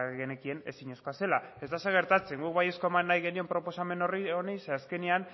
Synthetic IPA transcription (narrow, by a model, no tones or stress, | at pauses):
ɣene̞kie̞ne̞̰siɲe̞sko̞ase̞lae̞zt̪aseɣ̞e̞ɾt̪at͡se̞ŋɡuk̚βaje̞sko̞emanːajɣe̞nio̞mpɾo̞po̞same̞no̞rionejseaske̞nian